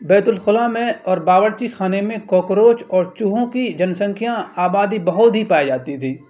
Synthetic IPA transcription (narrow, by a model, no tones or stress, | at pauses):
bɛːt̪ʊlxʊlaːmẽɔːɾbaːʋəɾt͡ʃixaːnemẽkɔːkɾoːt͡ʃɔːɾt͡ʃuɦõkid͡ʒɐnsə̃ŋkʰjãaːbaːd̪ibɐɦʊt̪ɦipaːid͡ʒaːt̪it̪ʰiː